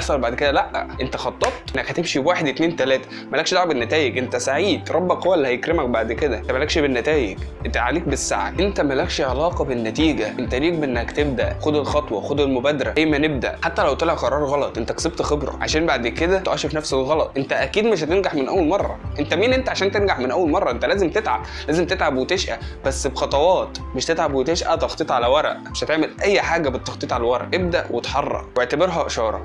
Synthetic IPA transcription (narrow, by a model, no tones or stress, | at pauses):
fɑlbaʕd̪ked̪ælæʔʔʔent̪æxɑt̪ˤːɑbt̪ˤnːækhæt̪emʃiwaːħed̪et̪neːnt̪ælæːt̪æ̥ | mælækʃd̪oʕbenːæt̪æːjeɡʔent̪æsaʕiːd̪ɾˤɑbːækhowælːihæjekɾemæk̚baʕd̪ked̪æʔent̪æmælækʃibenːæt̪æːjḛɡent̪æʕaleːk̚besːaʕa̰ʔent̪æmælækʃiʕelɑːqɑbenːæt̪iːɡæʔent̪æliːk̚beʔenːæhækt̪eb̚d̪æʔxod̪elxɑt̪ˤwɑ̰xod̪elmobæːd̪ɑɾæʔæjːmæneb̚d̪æ̰ʔħat̪ːælæwt̪elæʔqɑɾˤɑːɾˤɣɑlɑt̪ˤʔent̪ækseb̚t̪xebɾˤɑ̰ʕa̰ʃæːnbaʕd̪ked̪æt̪ʔæʃefnæfselɣɑlɑt̪ˤʔent̪æʔækiːd̪meʃhæt̪enɡaħmenʔæwːælmɑrˤːɑ̰ʔent̪æmiːnʔent̪æʕaʃæːnt̪enɡaħmenʔæwːælmɑrˤːɑʔent̪ælæːzemt̪et̪ʕa̰b | læːzemt̪et̪ʕabwet̪eʃʔæ̰bæsːbxɑt̪ˤɑwɑːt̪meʃt̪et̪ʕabwet̪eʃʔæt̪ɑxt̪ˤeːt̪ʕalæwæɾˤɑ̰ʔmeʃhæt̪eʕmelʔæjːħaːɡæbet̪ːɑxt̪ˤiːt̪ˤʕalæwæɾˤɑ̰ʔeb̚d̪æʔwet̪ħɑrˤːɑ̰ʔweʕt̪æbeɾɦæʔeʃɑːɾˤɑ̰